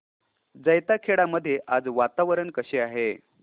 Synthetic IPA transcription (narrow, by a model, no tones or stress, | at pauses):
d͡zəjt̪akʰeɽaməd̪ʱːjeʔad͡zʋat̪aʋəɾənkəɕeaɦe